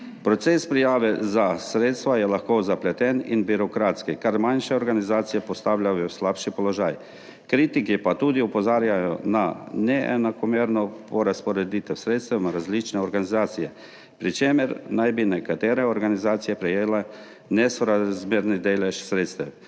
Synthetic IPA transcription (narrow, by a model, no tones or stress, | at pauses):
pɾɔt̪sespɾijaːʋɛzasɾeːt̪st̪ʋajɛlaxkozaplɛt̪ɛninbiɾɔkɾaːt̪skikaɾmanʃɛɔɾɡanizaːt̪sijɛpɔst̪aːwlʲjajɔslaːpʃipɔlɔʒaːj | kɾiːt̪ikipat̪uːd̪iɔpɔzaːɾjajɔ̰nanɛʔɛ̰nakɔmeːɾnɔpɔɾaspɔɾɛd̪iːt̪ɛwsɾeːt̪st̪ʋɛmɾazlit͡ʃnɛɔɾɡanizaːt̪sijɛ | pɾit͡ʃeːmɛɾnajbinɛkat̪eːɾɛɔɾɡanizaːt̪sijɛpɾɛjeːlɛ | nɛsɔɾazmeːɾnid̪eːlɛʃsɾeːt̪st̪ɛw